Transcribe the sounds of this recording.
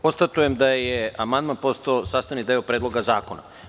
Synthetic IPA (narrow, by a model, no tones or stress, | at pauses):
ost̪at̪ujemd̪ajeamand̪manpost̪oosaːst̪anid̪eopɾed̪loɡazaːkona̰